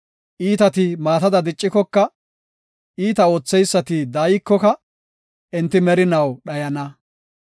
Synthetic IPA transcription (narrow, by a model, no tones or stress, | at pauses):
ʔiːt̪ɐt̪ɪmaːt̪ɐd̪ɐd̪ɪt͡ʃʼːɪkɔkːɐ | ʔiːt̪ɐo̞ːt͡sːɛjsːɐt̪ɪd̪ɐːjɪkːɔkɐ | ʔɛnt̪ɪmɛɾɪnɐwɗɐjɐnɐ